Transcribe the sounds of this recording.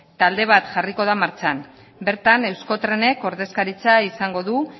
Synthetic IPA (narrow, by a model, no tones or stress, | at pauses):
t̪ald̪e̞β̞at̪ʝariko̞ð̞amaɾt͡ʃan | be̞ɾt̪ane̞wsko̞t̪ɾe̞ne̞ko̞ɾðe̞skaɾit͡saisaŋɡo̞ðu